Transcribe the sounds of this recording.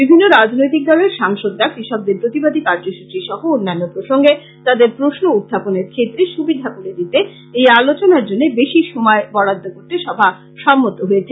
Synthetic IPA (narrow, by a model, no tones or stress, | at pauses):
bibʱinːoɾad͡ʑnojt̪ik̚d̪ɔleɾʃaŋʃod̪ɾakɾiʃɔb̚d̪eɾpɾot̪ibad̪ʱikaɾd͡ʑoʃut̪t͡ɕɾiʃɔɦoonːanːopɾoʃoŋɡe | t̪ad̪eɾpɾoʃnoud̪ʱːaponeɾkʰet̪ːɾeʃubid̪ʱakoɽed̪it̪e | ejalot͡ɕonaɾd͡ʑonːebeʃiʃomɔebɔɽad̪ʱːokoɾt̪eʃɔbʱa | ʃɔmːot̪oɦoet͡ɕʰe